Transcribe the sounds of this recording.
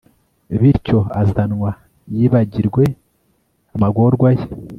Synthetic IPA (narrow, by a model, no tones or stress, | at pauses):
βiɾco̞azanŋwa | jiːβaɟiɾɡwe̞ | amaɡoɾɡwaje